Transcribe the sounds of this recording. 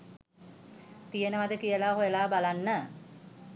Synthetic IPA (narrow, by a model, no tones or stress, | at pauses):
t̪ijənəmad̪əkijəlaːɦojəlaːbalanːə